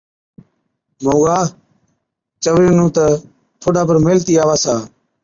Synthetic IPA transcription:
moːɡaː | t͡ʃəʋɾiːnũːt̪ə | t̪ʰoːɗãːpəɾmeːlt̪iːaːʋaːsaː

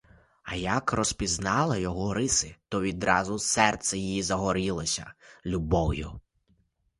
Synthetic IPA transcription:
ɐjɐkrɔspʲiznɑlˠɪjɔɦɔɾɪsɪt̪ɔʋʲid̪ɾɑzʊsɛrt̪sɛjijizɐɦɔɾɪlˠɔsʲɐlʲubɔwjʊ

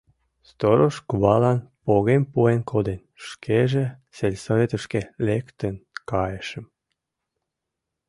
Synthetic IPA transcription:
st̪oɾoʃkuβɑlɑnpoɣempuenkod̪enʃkʰeʒeselʲsovet̪ə̆ʃkelekt̪ənkɑjeʃəm

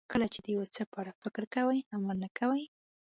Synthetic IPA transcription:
kəlat͡ʃed̪əjawat͡səpɑɽafɪkɾkawajamalnakawaj

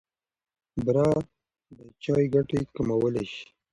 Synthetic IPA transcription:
bɾɑ | d̪ət͡ʃɑjɡaʈekamawəleʃi̥

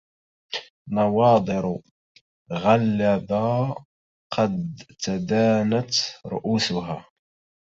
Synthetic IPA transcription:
nɑwɑːd̪ˤɨɾ | ɣalːaba | qʰɑd̪t̪ad̪aːnat̪ɾʊ̰ʔuːsʊɦaː

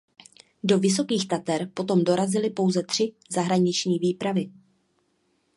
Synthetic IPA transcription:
do̞vɪs̬o̞kiːxt̪at̪ɛɾpo̞t̪o̞mdo̞ɾazɪlɪpo̞wzɛt̪r̝̥ɪ | zaɦɾaɲɪt͡ʃɲiːviːpɾavɪ

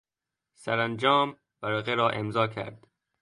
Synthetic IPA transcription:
sæɾænd͡ʒɒːm | bæɾɒːɣeɾɒːʔe̞mzɒːcʰæ̰ɾd̪̥

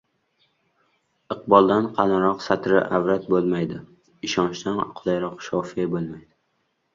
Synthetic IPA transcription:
ɨqbɒlˠd̪anqʰɑlɪɾɒqsat̪ɾɪʔavɾat̪̚bolˠmajd̪ɪ | ɪʃɒnt͡ʃt̪anqʰʊlˠajɾɒqʃɒfiabolˠmajd̪ɪ

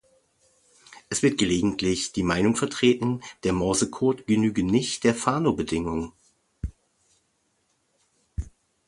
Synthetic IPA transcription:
ʔɛsv̥ɪɐt̚ɡ̥əleːɡŋ̩tʰlɪçd̥iːmaɪnʊŋfɛɐtʁ̥eːtn̩d̥eːɐmɔɐzəkʰɔɐtɡ̥ənyːɡənɪçtd̥eːɐfaːnobədɪŋʊŋ

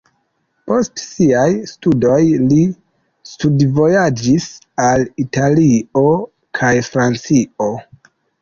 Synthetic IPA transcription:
po̞stsiajstudo̞jli | studvo̞jad͡ʒis | alitalio̞ | kʰajfɾant͡sio̞

